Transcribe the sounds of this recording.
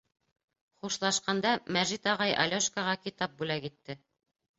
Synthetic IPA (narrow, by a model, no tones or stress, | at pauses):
χuʃlˠɑʃqɑnd̪ɑmæʒit̪ɑʁɑjʔɑ̰lʲoʃkɑʁɑkit̪ɑp̚bʉlækit̪ːɘ